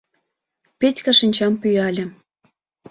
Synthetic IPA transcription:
petʲkɑʃinʲt͡ɕɑmpyjɑlʲĕ

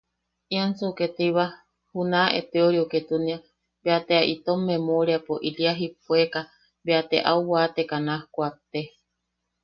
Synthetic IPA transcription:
iansuket̪iβa | hunãʔet̪eoɾioket̪unia | beat̪eaʔit̪omːemoɾiapoʔiɾiaɦip̚ueka | beat̪eʔauβat̪ekanahkʷat̪e

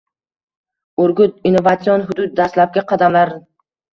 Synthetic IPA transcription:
oɾɡʲʊt̪̚inːovat̪sionɦʊd̪ʊt̪̚ːast̪lap̚ɡʲaqʰɑd̪amlaɾ

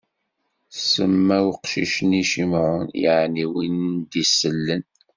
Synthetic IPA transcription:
səmːæwqʃiʃəniʃimʕʊnjiʕniwənd̪isəlːən

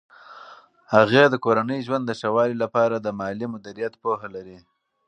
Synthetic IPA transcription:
haɣed̪əkoɾanəjʒwand̪ːəʃawɑlilapɑɾad̪əmɑlimʊd̪iɾijat̪poɦalaɾi

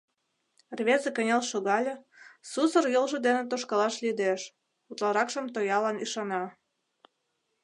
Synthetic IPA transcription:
rβʲezĕkə̆nʲelʃoɣɑlʲĕ | susərjolʒə̆d̪enĕt̪oʃkɑlɑʃlʲid̪eʃ | ut̪lɑɾɑkʃə̆mt̪ojɑlɑniʃɑnɑ

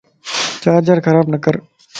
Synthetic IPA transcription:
t͡ʃaːd͡ʒəɾkʰəɾaːbnəkəɾ

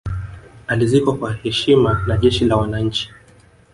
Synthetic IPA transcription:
alizikakwahɛʃimanaʄɛʃilawanaɲ̩t͡ʃi̥

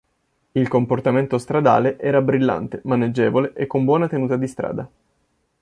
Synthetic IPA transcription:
ilkomport̪ament̪ost̪ɾad̪a̰ːleʔɛːɾabɾilːa̰nt̪emaned͡ʒːeːvoleʔekːombwɔːnat̪enuːt̪ad̪ist̪ɾa̰ːd̪a

